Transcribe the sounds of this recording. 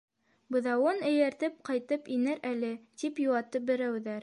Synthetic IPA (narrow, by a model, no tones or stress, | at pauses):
bɤ̆ðɑwɤnɘ̆jæɾt̪ɘp̚qɑjt̪ɤpinɘɾælɘt̪ipjuwɑt̪ɤp̚bɘ̆ɾæwðæɾ